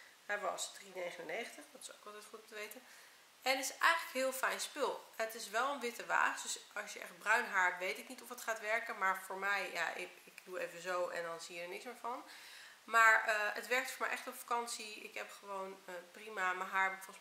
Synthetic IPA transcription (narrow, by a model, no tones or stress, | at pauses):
ɦɛjəɑ̰sdrinejχənənejχəntəχdɑtɪ̥sowkɑlˠtɛjtχutɔmtəʋejtən | ʔɛnətɪ̥sɛ̰jχələkɦɪːlˠfɛjnspɪlˠɛnətɪsʋɛlˠənʋɪtəʋa̰ːχdʏsɑsjəʔɛ̰χd̚brœɥnɦaːɹtʋejtɪknitɔfətχaːtʋɛɹkənmaːɹv̥oːɹmɛjja̰ʔɪ | ɪkduejvənzowɛ̰ndɑnziədəɹnɪksmɪːɹvɑn | maːɹəətʋɛɹk̚tfoːɹmɛjʔɛχtɔpfḁkɑnsiɪ̰kɦɛpχəʋownəprimamaɹɦaːɹbɛfɔ